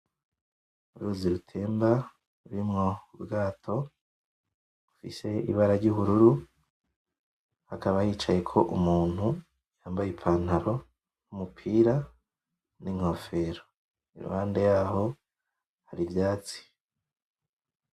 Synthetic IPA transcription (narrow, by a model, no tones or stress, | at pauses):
uɾuziɾutʰe̞ːmba | uɾimŋo̞ubɡaːtʰo̞ | ufḭse̞ḭβaɾaɾɟuβuɾuɾu | hakaβajiːt͡ʃaje̞kʰo̞ʔumuːn̥hu | jaːmbajepʰaːn̥haɾo̞ | numupʰiːɾa | niŋho̞fe̞ːɾo | ḭɾṵhaːnde̞jaːɦo̞ | haɾivjaːt͡si̥